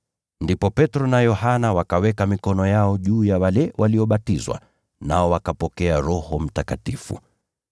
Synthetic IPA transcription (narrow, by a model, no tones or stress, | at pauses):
ndipɔpɛtɾɔnajɔhanawakawɛkamikɔnɔjaɔʄuːjawalɛwʔaliɔɓatizwa̰ | naɔwakapɔkɛaɾɔhɔm̩takatifṵ